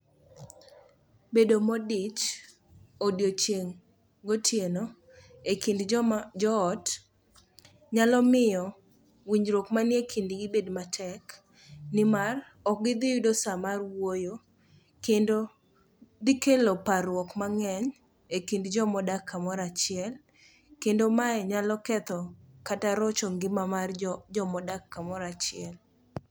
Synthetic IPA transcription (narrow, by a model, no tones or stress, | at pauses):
bedomɔdit͡ʃ | odjot͡ʃjeŋ | ɡotjeno | ekindd͡ʒɔːt | ɲalɔmɪjɔ | wiɲɾokmanjekʰindiɡɪbedmatʰɛk | nɪmar | ɔk̚ɡɪd̪ɪjʊdosamarwojo | kendo | d̪ɪkelopaɾwɔkmaŋɛɲ | ekindd͡ʒɔmɔdakʰːamɔɾat͡ʃɪɛl | kendomaɛɲalɔkɛt̪ɔkataɾɔt͡ʃɔŋɡɪmamard͡ʒɔmɔdakːamɔɾat͡ʃɪɛl